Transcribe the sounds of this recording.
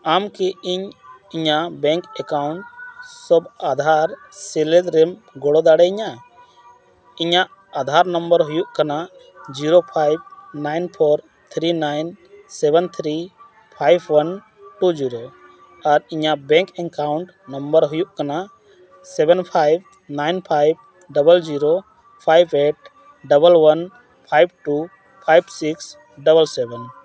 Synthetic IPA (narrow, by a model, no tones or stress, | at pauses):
amkiiɲiɲabɛ̃ŋkɛkawɳʈ̚sɔbad̪ʱaɾ | sɛlɛd̪ɾɛm | ɡɔɽɔd̪aɽɛiɲa | iɲaʔ | ad̪ʱaɾnəmbəɾɦujuʔkanaʔ | d͡ʒiɾopʰajb̚najnpʰɔɾ | t̪ʰɾinajnsɛbɛnt̪ʰɾi | pʰajbʰwən | ʈud͡ʒiɾo | aɾiɲaʔbɛ̃ŋkɛŋkawɳʈ | nəmbəɾɦujuʔkanaʔ | sɛbɛnpʰajb̚ | najnpʰajb̚ | ɖəbəld͡ʒiɾo | pʰajbeʈ̚ | ɖəbəlwən | pʰajb̚ʈu | pʰajbsiks | ɖəbəlsɛbɛn